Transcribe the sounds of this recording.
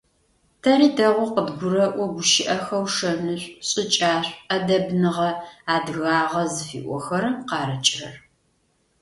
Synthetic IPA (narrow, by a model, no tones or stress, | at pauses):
tʰɐɾiːdɐʁʷɔqədɡʷʊɾɐʔʷɔɡʷʊʃɪʔɐxɐwʂɐnɨɕʷʼɕʼɪt͡ʃʼaːɕʷʼɐdɐbnɨʁɐaːdɨɣaːʁɐzɨfḭːʔʷɔxɐɾɐmqɑːɾɐt͡ʃʼɪrɐ̰r